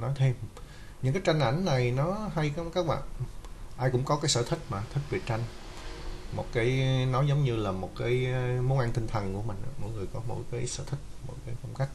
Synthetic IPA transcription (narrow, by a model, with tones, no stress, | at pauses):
nɔ˨˦jt̪ʰe˧m | ɲɨ̰˧˥ŋkaː˨˦jt͡ɕa˧jŋ̟ʔa˧˩˥jŋ̟na˨˩jnɔ˨˦ɦa˧jkkaː˦˥k̚ɓa̰ː˧˨nʔaː˧jkʊ̰˧˥ŋ͡mkɔ˨˦kaː˨˦jsəː˧˩t̪ʰï˦˥k̟̚maː˨˩t̪ʰï˦˥k̚vi˨˩t͡ɕa˧jŋ̟ | mo˨˩t̚kaː˨˦jnɔ˨˦zə˨˦wŋ͡mɲɨ˧laː˨˩mo˨˩t̚kaː˨˦jmo˨˦nʔa˧ŋt̪ï˧ŋ̟t̪ʰə˨˩nku˧˩əmï˨˩ŋ̟ʔa̰ː˧˩mɔ̰˧˥˨jŋɨ˨˩əjkɔ˨˦mo̰˧˥jkaː˨˦jsə̰ː˧˩t̪ʰï˦˥k̟̚mo̰˧˥jkaː˨˦jfɔ˧wŋ͡mka˦˥k̚